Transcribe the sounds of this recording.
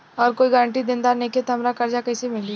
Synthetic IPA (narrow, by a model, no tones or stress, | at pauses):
ɔːɾkoːiɡəɾə̃ɳʈid̪ẽnd̪aːɾneːket̪ɦɐmɾakɐɾd͡ʒakɐːsemɪli